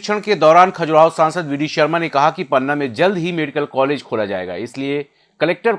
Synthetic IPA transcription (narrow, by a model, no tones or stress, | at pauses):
kt͡ʃʰəɽ̃ked̪ɔːɾaːnkʰɐd͡ʒuɾaːosãːnsəd̪ʋɪɖiʃɐɾmanekɐɦakipɐnːamẽd͡ʒɐld̪ɦimeːɖɪkəlkɔːleːd͡ʒkʰoːlad͡ʒa̰ːḛːɡa̰ːɪslie | kɐleːk̚ʈəɾ